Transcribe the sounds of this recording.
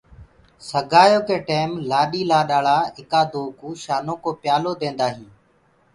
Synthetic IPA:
səɡʱaːjoːkeːʈeːmlaːɗiːlaːɗaːɭaːɪkaːd̪oːkuːʃaːnõːkoːpɪjaːloːd̪ẽːnd̪aːɦĩː

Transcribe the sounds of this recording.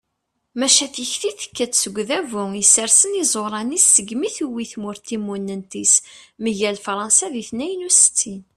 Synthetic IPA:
mæʃæθiçθiθə̥kːæt͡ssəɡʷðævuisəɾsənizˤoɾˤɑnisːəɡmiθuwiθmʊɾt̪imːunːənt̪isməʝælfɾˤɑnsæðiθnæjənusə̥t͡sːin

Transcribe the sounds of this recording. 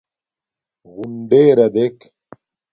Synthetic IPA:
ɣuɳɖeːɾɐd̪ek

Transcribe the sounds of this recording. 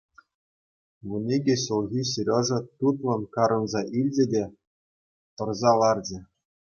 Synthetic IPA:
ʋunʲeɡʲeɕulˠɣʲiɕ̬iɾʲɤ̆ʐɤ̆t̪ut̪lˠɤ̆nkɑɾɤ̆nzɑʔilʲd͡ʑʲɘ̆dʲe | t̪ɤ̆rzɑlˠɑrd͡ʑɘ̆

